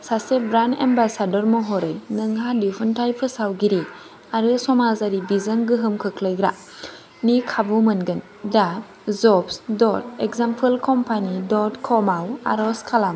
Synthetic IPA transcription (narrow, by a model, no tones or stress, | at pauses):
sasebɾanḛmbasadɔɾmɔɦɔɾɯjnɯŋɦadipʰɯntʰajpʰɯsawɡiɾi | aɾɯsɔmazaɾibizaŋɡɯɦɯmkʰɯkʰləjɡɾa | nikʰabumɯnɡɯn | da | zɔpsdɔt̚ekzampʰɯlkʰɔmpʰanidɔtkʰɔmawa̰ɾɔskʰalam